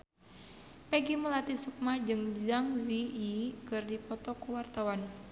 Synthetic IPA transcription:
pɛɡiməlat̪isuk̚mad͡ʒɨŋd͡ʒaŋziːkɨrdipɔt̪ɔkuwart̪awan

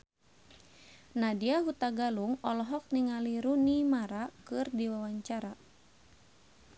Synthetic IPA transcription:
nadiaɦut̪aɡaluŋɔlɔɦɔk̚niŋaliɾunimaɾakɨrdiwawaɲt͡ʃaɾa

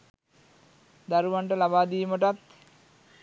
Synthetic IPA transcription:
d̪aɾuʋaɳʈəlabaːd̪ijməʈat̪

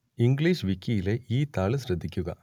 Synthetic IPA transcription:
iŋɡɭiːʂʋikʲːijile̞ʔiːt̪aːɭɨɕɾɐd̪ʱːikʲːuɣɐ̰

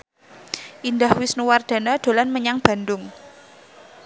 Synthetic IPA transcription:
ʔind̪ahwisnuward̪̥a̤nad̪̥o̤lanməɲaŋb̥a̤nd̪ʊŋ

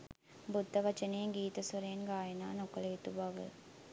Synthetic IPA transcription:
bud̪ːɐʋɐt͡ʃɐneːŋɡiːt̪ɐsɐɾeːnɡaːjɐnaːnɔkːɐlɐt̪ːubɐʋɐ̰

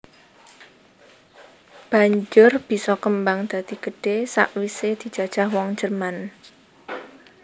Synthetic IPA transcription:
b̥a̤ɲd͡ʒʊrb̥i̤sɔkəmbaŋd̪̥a̤d̪̥i̤ɡ̥əɖ̥esa̰ʔwised̪̥i̤̥d͡ʒ̥ä̤d̥ʒ̥a̤hwɔŋ̥d͡ʒərman

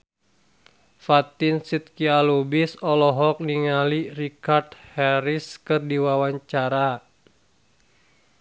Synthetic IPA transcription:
fat̪insit̪̚kialubisɔlɔɦɔk̚niŋalirikart̪hɛɾiskɨrdiwawaɲt͡ʃaɾa

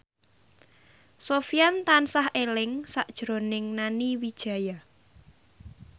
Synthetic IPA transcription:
sofiant̪ansahelɪŋsaʔd̥ʒ̥ɾonɪŋnaniwid̥ʒ̥ä̤ja

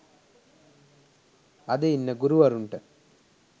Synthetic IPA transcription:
ɐd̪einːəɡuɾuʋɐɾuɳʈə

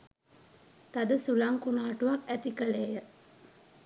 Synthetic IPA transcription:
t̪ad̪əsulaŋkunaːʈuʋakæt̪ikəleːjə

